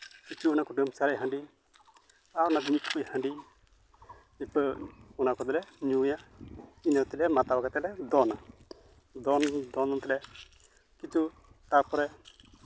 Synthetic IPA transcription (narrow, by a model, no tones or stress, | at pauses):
kit͡ʃuɔnakɔɖəmsaɾɛɦə̃ɳɖi | aɾnad͡ʒimikkujhəɳɖi | ipəɔnakɔd̪ɛlɛɲujainət̪ilɛmat̪awakat̪ɛlɛd̪ɔna | d̪ɔnd̪ɔnɔnt̪ɛlɛ | kit͡ʃu | t̪aɾpɔɾɛ